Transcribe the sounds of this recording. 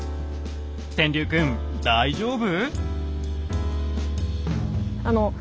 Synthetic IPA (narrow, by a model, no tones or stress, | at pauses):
t̪ẽnd̪ʲɨːkɯ̃m | d̪aid͡ʑoːbɯ | ano